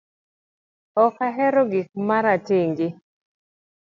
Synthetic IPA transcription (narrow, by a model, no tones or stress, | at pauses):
ɔkaɦɛɾɔɡɪk̚maɾatɪŋɡɪ